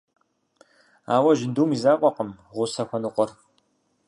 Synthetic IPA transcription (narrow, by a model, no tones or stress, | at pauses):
a̰ːwɐʒɪnduːmizaːqʷʼɔqəm | ʁʷʊsɐxʷɐnɨqʷʼɔr